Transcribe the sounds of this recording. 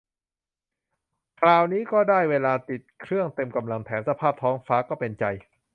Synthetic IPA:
kʰlaː˧wniː˦˥kɔː˥˩daː˥˩jweː˧laː˧t̪i˨˩t̪̚kʰɾɯ˥˩əŋt̪e˧mka˧mla˧ŋt̪ʰɛː˩˦msa˧pʰaː˥˩p̚t̪ʰɔː˦˥ŋfaː˦˥kɔː˥˩pe˧nt͡ɕa˧j

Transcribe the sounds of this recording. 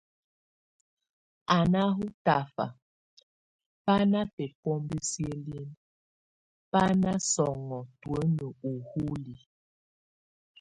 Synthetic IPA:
a˨na˦ɦu˦ta˨fa̰˨ | pa˦na˦pɛ˨pɔ˦mbi˦sjə˦lje˦n | pa˦na˦sɔ˨ŋɔ˨twə˦nə˨u˨hu˦li˨

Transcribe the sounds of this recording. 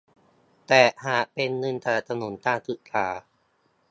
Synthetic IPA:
t̪ɛː˨˩haː˨˩ʔpe˧nːɯ˧nt̪aː˨˩t̪ʰa˧no˩˦nt̪aː˥˩t̪ɯ˨˩ʔt̪ʰaː˩˦

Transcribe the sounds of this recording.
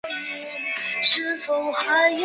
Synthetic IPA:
ʂɻ̩˥fo˨˩ʊxɤ˧˥j

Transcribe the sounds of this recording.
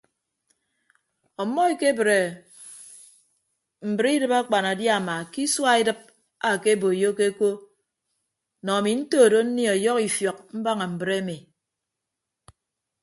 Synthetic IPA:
ɔ˨mːɔ˦e˨ke˦bɾe˨ | m̩˨bɨ˨ɾi˦dɨ˨pa˦k͡pa˨na˨dja˦˨ma˨ki˦swa˦i˦dɨ˦p̚ | a˨ke˦bo˨jo˦ke˦ko˦ | nɔ˨a˨mi˨n̩˦toː˦˨do˦n̩˦ni˦ɔ˨jɔ˦ki˨fjɔ˨k̚m̩˦ba˦ŋa˨m̩˨bɾe˦mi˨

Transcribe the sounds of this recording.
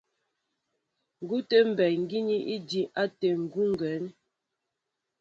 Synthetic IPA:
ŋ̩˨ɡu˦te˦m̩˨bɛ˨ŋ̩˦ɡi˦ɲi˦ʔi˦di˦ʔa˦te˨ŋ̩˨ɡu˦ŋ˦ɡɛ˨˦n

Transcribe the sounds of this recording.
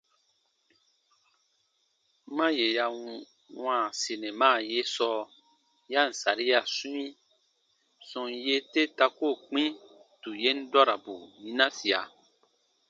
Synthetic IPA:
mã˦je˨ja˧ | wãː˦˨si˨nẽ˨mã˦˨je˦sɔ˦ | ja˦˨n̩˨sa̰˨ɾi˦ja˨sũ˦ĩ˦ | sɔ̃˧nje˦te˦ta˧ko˦˨k͡pĩ˦tu˨je˦n˦dɔ˦ɾa˨bu˨mĩ˦nã˦si˨a̰˨

